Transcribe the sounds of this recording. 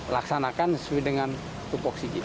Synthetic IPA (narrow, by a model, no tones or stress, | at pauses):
laksanakanswidəŋan | t̪upɔksiki